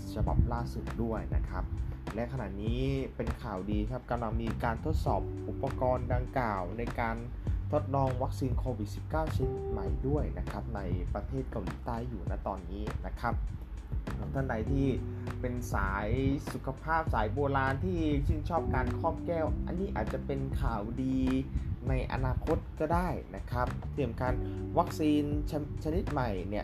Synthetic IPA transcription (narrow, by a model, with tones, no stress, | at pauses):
t͡ɕʰa˧ba̰˨˩p̚laː˥˩su˨˩t̪̚du˥˩əjna̰˦˥kʰɾa˦˥p̚lɛ˦˥ʔkʰa˧na̰˨˩niː˦˥pe˧nkʰaː˨˩wdiː˧kʰa˦˥p̚ka˧mla˧ŋmiː˧kaː˧nt̪ʰo˦˥t̪̚sɔ̰ː˨˩p̚ʔu˨˩pːa˧kɔː˧nda˧ŋklaː˨˩wna˧jkaː˧n | t̪ʰo˦˥t̪̚lɔː˧ŋwa˦˥k̚siː˧nkʰoː˧wi˨˩t̪̚si˨˩p̚kaː˥˩wsi˨˩t̪ma̰˨˩jdu˥˩əjna˦˥kʰɾa˦˥p̚na˧jpɾa˧t̪ʰeː˥˩t̪̚ka˧wliː˨˦t̪aː˥˩jːuː˨˩naː˦˥˩t̪ɔː˧nːiː˦˥na˦˥kʰa˦˥p̚ | t̪ʰa˥˩nda˧jt̪ʰiː˥˩ | pe˧nsaː˩˦jsu˨˩kʰa˧pʰaː˥˩p̚saː˩˦jboː˧ɾaː˧nt̪ʰiː˥˩si˥˩ŋt͡ɕʰɔː˥˩p̚kaː˧nkʰɔː˥˩p̚kɛː˥˩wʔa̰˧nːiː˥˩ʔa̰ː˨˩t̪̚t͡ɕa˨˩pe˧nkʰaː˨˩wdiː˧na˧jʔa̰˧naː˧kʰo˦˥t̪̚kɔː˥˩daː˥˩jna˦˥kʰɾa˦˥p̚t̪i˧˩əmkaː˧nwa˦˥k̚siː˧nt͡ɕʰa˧t͡ɕʰa˧ni˦˥t̪̚ma˨˩jni˥˩ə